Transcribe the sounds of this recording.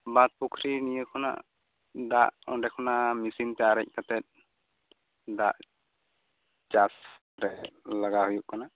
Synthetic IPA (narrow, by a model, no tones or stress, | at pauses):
bat̪̚pukʰɾinijəkʰɔna̰ʔ | d̪aʔɔɖɛkʰɔnamisint̪ɛaɾɛc̚ˀkat̪ɛt̪̚ˀ | d̪aʔ | t͡ʃas | ɾɛlaɡaɦujuʔkana